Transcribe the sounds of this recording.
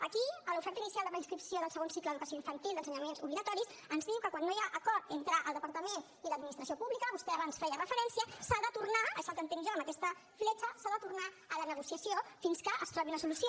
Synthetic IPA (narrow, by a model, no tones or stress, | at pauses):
əkiəlufɛɾt̪əinisialˠd̪əmpɾinskɾipsioðəlˠsəɣonsikləðəðuk̪əsioiɱfənt̪ilˠd̪ənsəɲəmenzuβliɣət̪ɔɾis | ənzðiwkəkwanːojaʔəkɔɾt̪ent̪ɾəʔəlˠd̪əpɐɾt̪əmen | iləd̪minist̪ɾəsiopuβlikəβust̪ɛaβansfɛjərəfəɾɛnsiəsaðət̪urnaəʃalkənt̪enʒaəməkɛst̪ə | flɛt͡ʃəsaðət̪urna | ələnəɣusiəsijofinskəʔəst̪ɾɔβiunəsulusjo